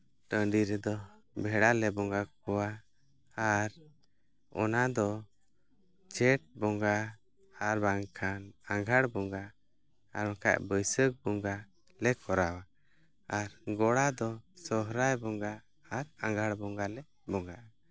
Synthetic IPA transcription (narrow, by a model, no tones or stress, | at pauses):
ʈəɳɖiɾɛd̪ɔ | bʱɛɽalɛbɔŋɡakɔwaː | ɾ | ɔ̰nad̪ɔ | t͡ʃɛʈ̚bɔŋɡa | aɾbaŋkʰanaŋɡʱaɽbɔŋɡaː | ɾɛka̰ʔbəjsək̚bɔŋɡa | lɛkɔɾawa | aɾɡɔɽad̪ɔsɔɦɾajbɔŋɡaː | ɾaŋɡʱaɽbɔŋɡalɛ | bɔŋɡaʔa